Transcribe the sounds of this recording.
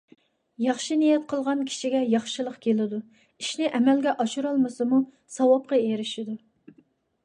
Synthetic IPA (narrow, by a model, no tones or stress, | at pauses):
jɑχʃinijɛt̪̚qʰəlˠʁɑnkʲʰi̥ʃiɡʲɛjɑχʃɨlˠəqkʲʰelɪd̪u | iʃnɪʔɛmɛlɡʲɛʔɑʃuɾɑlˠmɨsɨmu | sɑwɑp̚qɑeɾɪʃid̪u